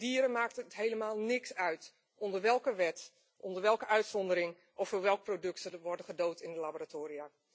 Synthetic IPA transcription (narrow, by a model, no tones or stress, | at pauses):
diːəɾənmaːk̚tətɦejləmaːlˠnɪksœɥt | ʔɔndərʋɛlˠkəʋɛt | ʔɔndərʋɛlˠkəœɥtsɔndəɾɪŋ | ʔɔfd̥oːʋɛlˠk̚prodɵktəʋɔrdəχədowtɪndəlaboratoːɾia